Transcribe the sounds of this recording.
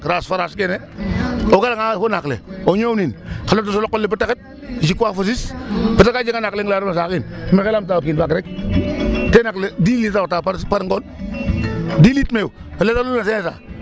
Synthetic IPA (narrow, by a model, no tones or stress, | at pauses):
kɾasfaɾaskeneoɡalaŋafonaklḛoɲowninkalot̬usolokːolːebətːakit̚ | d͡ʒikafos̬ispətakad͡ʒekanakleŋɡlaɾmas̬akinmekelamt̬apkinbaɡɾek | tenakledilitaotapapaɾŋɡon | dilitmeu | paletaluas̬enesa̰